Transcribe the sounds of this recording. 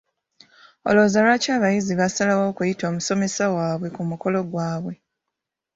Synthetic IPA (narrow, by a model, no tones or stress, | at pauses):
o̰lo̞ːzalwacaːβajiziβasalawo̞ːkujito̞ːmuso̞me̞sawaːβwe̞kumuko̞lo̞ɡwaːβwe̞